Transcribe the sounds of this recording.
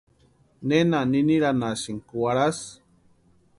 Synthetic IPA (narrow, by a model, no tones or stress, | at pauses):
nenaniniɾanasiŋkuwaɾas